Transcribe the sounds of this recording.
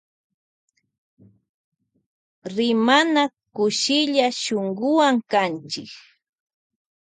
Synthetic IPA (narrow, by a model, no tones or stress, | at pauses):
ɾɪmana | kʊʃɪʎaʃoŋɡʊwaŋkant͡ʃɪk